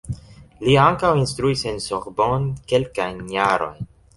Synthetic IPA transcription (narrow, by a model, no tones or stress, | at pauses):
liaŋkawinst̪ɾuise̞nsoɾbonke̞lkajnjaɾo̞̰jn